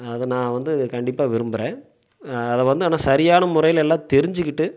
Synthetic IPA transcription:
ɐðɯnãːʋɐnd̪ɯkɐɳɖɪpːaːʋɪɾɯmbɯɾẽː | ɐðɛʋɐnd̪ɯaːnːaːsɐɾɪjaːnɐmʊɾɐjɪlɛlːãːt̪ɛɾɪɲd͡ʒɯkːɪʈːɯ

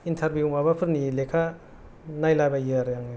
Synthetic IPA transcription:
intʰaɾbjumabapʰɯɾnilekʰa | najlajbajɯɾjaŋi

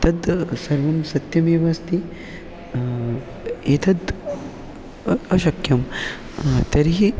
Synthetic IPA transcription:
t̪ɐd̪sɐɾʋɐmsɐt̪jɐmeːʋaːst̪i | eːt̪ʰɐd̪ | ɐʃɐkjɐm | t̪ɐɾiɦi

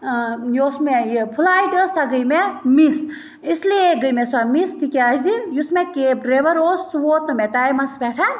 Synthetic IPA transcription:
joːsmejpʰulaːjʈəsaɡəjmemis | islieɡəjmeswamist̪ikeazd̪injusmekeːp̚ɖɾeʋɐɾoːsːʋoːt̪nɨmeʈaːjmɐsbeːʈʰan

